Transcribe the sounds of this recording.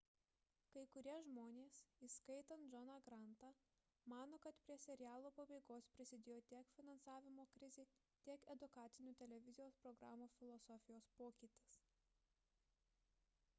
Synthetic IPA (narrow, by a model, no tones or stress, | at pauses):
kɐɪkʊɾʲiɛʒmoːnʲeːsiskɐɪt̪ɐnt̪d͡ʒɔnɑɡɾɑˑnt̪ɑ | mɑːnoːkɐt̪pʲɾʲiɛsʲɛɾʲɪjæːlˠoːpɐbɐɪɡoːspʲɾʲɪsʲɪd̪ʲeːjoːt̪ʲiɛkfʲɪnɐnsɑːʋʲɪmoːkɾʲɪzʲeː | t̪ʲiɛkɛd̪ʊkɑːt̪sʲɪnʲuːt̪ʲɛlʲɛʋʲɪzʲɪjoːspɾɔɡɾɑːmoːfʲɪlˠɔsɔfʲɪjoːspoːkʲɪːt̪ʲɪs